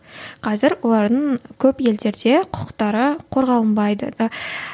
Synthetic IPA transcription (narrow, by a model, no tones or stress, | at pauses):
qʰɑzɪɾwo̞lˠɑɾd̪əɴkʲʰɵpje̞ld̪e̞ɾd̪e̞qʰʊ̥qə̥qt̪ɑɾəqʰo̞ɾʁɑlˠənbɑjd̪ə̰